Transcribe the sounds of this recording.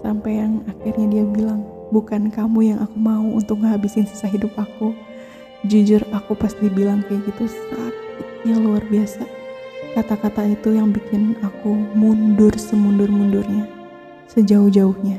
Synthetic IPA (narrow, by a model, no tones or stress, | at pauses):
sampajaŋakirɲadiabilaŋ | bukankamujaŋʔakumauṵnt̪ʊk̚ŋɦabisɪnsi̥saɦidʊp̚aku | d͡ʒud͡ʒʊrakupast̪ibilaŋkajaɡit̪usat̪̚it̪ɲaluarbiasakat̪akat̪ait̪ujaŋbikɪnakumundʊrsəmundʊrmundʊrɲa | səd͡ʒaʊhd͡ʒaʊhɲa